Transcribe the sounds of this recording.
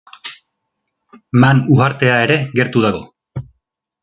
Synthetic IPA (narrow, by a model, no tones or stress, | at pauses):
manuɣaɾt̪e̞ae̞ɾe̞ɣe̞ɾt̪uðaɣo̞̰